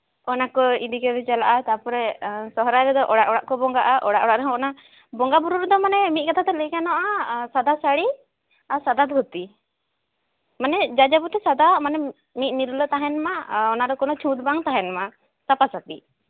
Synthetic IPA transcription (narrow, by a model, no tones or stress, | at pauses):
ɔnakɔid̪ikɛbɛt͡ʃalaʔat̪apɔɾɛsɔɦɾajɾɛd̪ɔʔɔɽaʔɔɽaʔkɔbɔŋɡaʔaʔɔɽaʔɔɽaʔɾɛɦɔ̃ɔna | bɔŋɡabuɾuɾɛd̪ɔmanɛmit̪̚kat̪ʰat̪ɛləkanɔʔasad̪asaɽi | aɾsad̪ad̪ʱut̪i | manɛd͡ʒad͡ʒabɔt̪ɛsad̪amanɛ | mit̪̚niɾulət̪aɦɛnmaɔnaɾɔkɔnɔt͡ʃʰũd̪baŋt̪aɦɛnma | t̪apasat̪ḭ